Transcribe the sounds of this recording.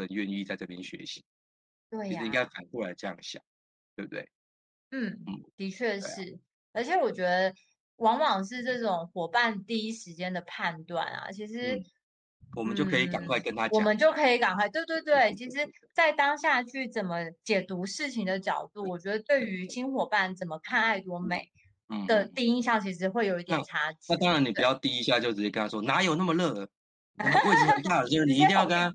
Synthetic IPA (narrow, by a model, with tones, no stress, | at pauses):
ə˨˦nɥɛ˥˧ni˥˧t͡sa˥˧ɪʈ͡ʂɤ˥˩pjɛ̰˥nɕɥɛ̰˧˥ɕi˧˥˦ | t̪we˥˩ɪ˧˥i˥ŋka˥ɪfa˨˥nkwɔ˥˩la˨˥ʈ͡ʂɤ˥˧jɑ̰˥˩ŋ˩ɕjɑ̰˨˩˦ | t̪we˥˩bə˩t̪wḛ˥˩ɪ | n̩˥˩n̩˥˩t̪i˧˥t͡ɕʰɥɛ˥˧ʂɻ̩˥˩ | ə˞˧˥t͡ɕʰjɛ˨˦wɔ˨˩t͡ɕɥɛ˧˥d̪ə˧ | wɑ˧˥ŋwɑ˨˩ŋʂ̬ɻ̩˥˧ʈ͡ʂɤ˥˩ʈ͡ʂʊ˨˩ŋxwɔ˨˧˥pa˥˧nt̪i˥˩i˥ʂɻ̩˧˥t͡ɕjɛ˥nd̪ə˨pʰa˥˧nt̪wa̰˥˩nɐ̰˩t͡ɕʰi˧˥ʂ̬ɻ̩˧˦ | wɔ˨˩mə˦nt͡ɕo˥˩ʊkʰə˧˥i˧ka˨˩nkʰwa˥˩ɪkə˦nt̪ʰa˦wɔ˨˩mə˧˦nt͡ɕjo˥˩ʊkʰɤ˧˥i˧˥ka˨˩nkʰwa˥˩ɪt̪wɪt̪wɪt̪we˥˩ɪt͡ɕʰi˧˥ʂ̬ɻ̩˧˥ | t͡sa˥˩ɪt̪ɑ˥ŋɕja˥˧t͡ɕʰy˥˩t͡sə˨˩nmə˦t͡ɕjɛ˨˩t̪u˧˥ʂɻ̩˥˩t͡ɕʰi˧˥ŋd̪ə˨t͡ɕjɑ̰˨˩ʊt̪u˥˩wɔ˨˩t͡ɕɥɛ˧˥d̪ə˧t̪we˥˩ɪy˧˥t͡ɕʰi˥ŋxwɔ˨˩pa˥˩nt͡sə˨˩nmə˩kʰa˥˧a˥˩ɪt̪wɔ˥mḛ˨˩˦ɪ˩ | d̪ə˨t̪i˥˧i˥˧ŋɕjɑ˥˩ŋt͡ɕʰi˧˥ʂ̬ɻ̩˧xwe˥˩ɪjo˨˩ʊi˥˩t̪jnʈ͡ʂʰa˥t͡ɕi̥˨na˥˩t̪ɑ˥ŋɻa˧˦ni˨˩pu˧˥t͡ɕjɑ˥˩ʊt̪i˥i˧˥ɕja˥˧t͡ɕjo˥˩ʊʈ͡ʂɻ̩˧˩t͡ɕɛ˨˩kə˦nʰa˥ʂɔ˥na˧˥jo˨˩ʊna˥˩mə˨lɤ˥˩˨ | wə˩˨˩t̪a˥˩ə˨˩˥i˨˩i˧t̪̬i˥ŋjɑ˥ʊkə˦nʰa˥